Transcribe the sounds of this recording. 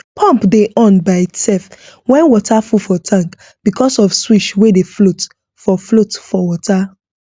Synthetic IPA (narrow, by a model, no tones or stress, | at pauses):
pʰɔ̃mpdeʔɔ̃nbaɪitsɛlfwɛ̃nwɔtʰafufɔtʰãŋk | b̥ikʰɔsɔfswiʃwedeflot | fɔflotfɔwɔta